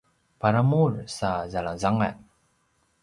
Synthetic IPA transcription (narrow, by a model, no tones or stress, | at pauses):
paɾamursazalaŋzaŋa̰n